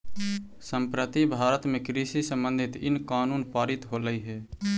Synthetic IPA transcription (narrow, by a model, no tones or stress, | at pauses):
sə̃mpɾət̪ibʱaːɾət̪mẽkɾisisə̃mbə̃nd̪ʱɪt̪ɪ̰nkaːnuːnpaːɾɪt̪ɦoːləiɦɛː